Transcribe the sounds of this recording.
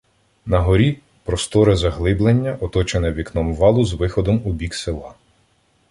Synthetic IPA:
nɐɦɔɾʲi | pɾɔst̪ɔɾɪzɐɦlˠɪblˠenʲːɐʔɔt̪ɔt͡ʃenɛʋʲiknɔmʋɑlˠʊzʋɪxɔd̪ɔmubʲiksɪlˠɑ

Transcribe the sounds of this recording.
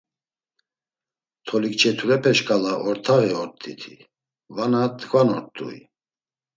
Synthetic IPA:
t̪ʰɔlikt͡ʃʰɛt̪ʰuɾɛpʰɛʃkʼalaʔɔɾt̪ʰaɣiɔɾt̪ʼːḭt̪ʰḭ | vanat̪ɡvanɔɾt̪ʼːṵḭ

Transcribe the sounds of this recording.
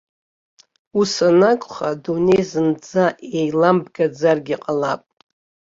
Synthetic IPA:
usanakʷʼχadune̞jzɨnd͡zaʔejlambɡad͡zarɡʲiqʼalapʼ

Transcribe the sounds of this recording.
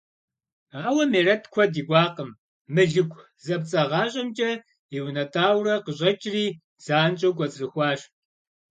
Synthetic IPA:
aːwɐmeːrɐtʰkʷʰɔdiːɡʷɑːqəmː | ɨɮɨkʷʼ | zɐp̚t͡sʼɐʁɑːɕʼɐmt͡ʃʼɐ | iwnɐtʰʼaːwrɐqəʑʼɐt͡ʃʼriː | z̥aːnt͡ʃʼɐwɡʷɔt͡sʼrɨxʷɑːɕ

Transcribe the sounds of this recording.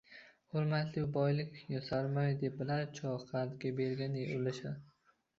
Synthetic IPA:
hoɾmat̪lɪbɒjlɪkʲjɒsaɾmajd̪ep̚bɪlaɾt͡ʃʰɒqʰaɾd̪ɡʲabeɾɡʲanejʊlɪʃad̪

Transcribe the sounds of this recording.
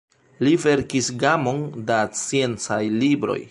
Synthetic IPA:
live̞ɾkisɡamo̞ndat͡sje̞nt͡sajlibɾo̞̰j

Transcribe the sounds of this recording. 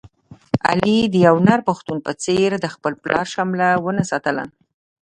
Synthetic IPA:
a̰lid̪əjawnaɾpaxt̪unpət͡seɾd̪əxpəlplɑ̰ɾʃamlawənasɑt̪əla̰n

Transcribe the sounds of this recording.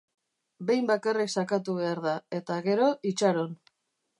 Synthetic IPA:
be̞jmbakariksakat̪uβe̞aɾðae̞t̪aɣe̞ɾo̞ʔit͡ʃaɾo̞n

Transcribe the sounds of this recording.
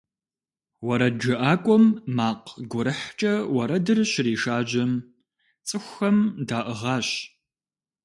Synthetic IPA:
wɐɾɐd͡ʒɐʔaːkʷʼɔmːaːqɡʷʊɾɨħt͡ʃʼɐwɐɾɐdɨrɕɪriːʃaːʑɐm | t͡sʼɨxʷxɐmdaːʔəʁɑːɕ

